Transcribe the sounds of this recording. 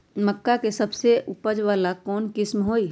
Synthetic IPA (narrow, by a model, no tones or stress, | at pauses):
məkːakesɐbseʔʊpəd͡ʒʋaːlakɔːnkɪsmɦoːi